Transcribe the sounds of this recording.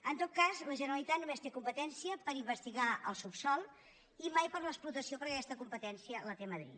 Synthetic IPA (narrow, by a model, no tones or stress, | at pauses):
ənt̪ot̪̚kazləʒənəɾəlit̪at̪numest̪ekumpət̪ɛnsiəpəɾimbəst̪iɣaʔəlˠsupsɔlˠ | imajpəɾləksplut̪əsiopəɾəkɛst̪əkumpət̪ɛnsiələt̪eməðɾḭt̪